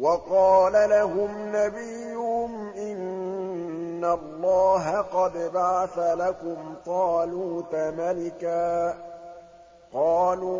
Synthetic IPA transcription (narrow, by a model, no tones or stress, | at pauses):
wɑqɑːlalaɦʊmnabɪjːʊhʊmʔɪn | alˤːɑːɦaqɑd̪baʕaθalakʊmt̪ˤɑːluːt̪malɪkaː | qɑːluː